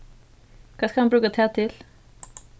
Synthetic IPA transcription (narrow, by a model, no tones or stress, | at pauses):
kʰɑːskɑhɑnbɾʉːkət̪ʰæːt̪ʰɪl